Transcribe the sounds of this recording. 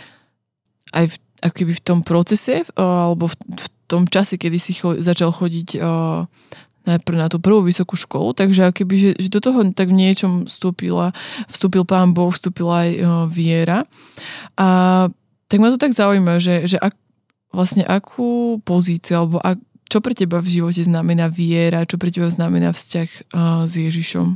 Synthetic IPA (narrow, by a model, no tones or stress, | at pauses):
ʔajf | ʔakɔ̥kɛbift̪ɔmpɾɔt͡sɛsɛalɛbɔfft̪ɔmt͡ʃasɛkɛd̪isixɔzat͡ʃalxɔɟiɟ | najpr̩nat̪uːpr̩ʋuːʋisɔkuʃkɔ̰lṵt̪aɡʒɛakɔkɛbiʒɛʒɛd̪ɔt̪ɔɦɔt̪aɡvɲɪɛt͡ʃɔmst̪uːpḭlafst̪uːpilˠpaːnbɔxfst̪uːpilaajʋɪɛɾa | ʔa | t̪aɡmat̪ɔt̪aɡzauiːmaʒɛʒɛʔa | ʋlasɲɛʔakʰuːpɔziːt͡siualɛbɔʔa | t͡ʃɔpɾɛcɛbavʒiʋɔcɛznamɛnaːʋɪɛɾat͡ʃɔpɾɛcɛbaznamɛna̰ːfscaxzjɛʒiʃɔ̰m